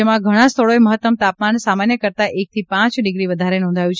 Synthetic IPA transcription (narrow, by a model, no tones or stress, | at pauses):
emãɡʱəɽ̃ãst̪ʰəɭoeməɦət̪ːəmt̪apmansamanjəkəɾt̪aʔek̚t̪ʰipãt͡ʃɖɪɡɾiʋəd̪ʱaɾenɔ̃nd̪ʱajũt͡ʃʰ